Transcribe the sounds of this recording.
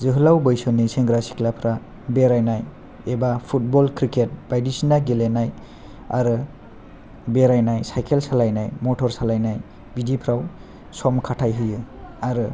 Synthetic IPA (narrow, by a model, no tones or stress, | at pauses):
zɯɦɯlawbɯjsɔniseŋɡɾasi̥klapʰɾa | beɾajnaj | ebapʰut̚bɔlkʰɾiket̚b̥ajdisinaɡelenaj | a̰ɾɯ | beɾajnajsajkʰelsalajnajmɔtʰɔɾsalajnaj | bidipʰɾaw | sɔmkʰatʰajɦɯjɯaɾɯ